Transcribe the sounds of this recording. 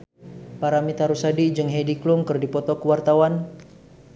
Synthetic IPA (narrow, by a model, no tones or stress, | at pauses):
paɾamit̪aɾusadid͡ʒɨŋɦediklumkɨrdipɔt̪ɔkuwart̪awan